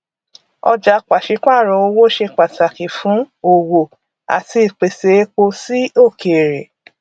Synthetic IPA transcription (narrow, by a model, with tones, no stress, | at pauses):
ɔ̰˧d͡ʒa˨˦k͡pa˨ʃi˨˦k͡pa˦˨ɾɔ̃˧˦o˧wo˦ʃe˧k͡pa˨sa˨ki˨fũ˨˦o˨wo˨ | a̰˨ti˧i˨k͡pe˨se˨˦k͡po˧si˦o˦˨kʰe˨ɾe˨